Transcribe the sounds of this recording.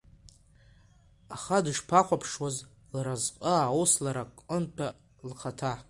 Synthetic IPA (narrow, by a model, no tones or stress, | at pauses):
aχadʂpʰaχʷapʰʂwaz | laɾazqʼəawslaɾakʼəntʰa | lχatʰa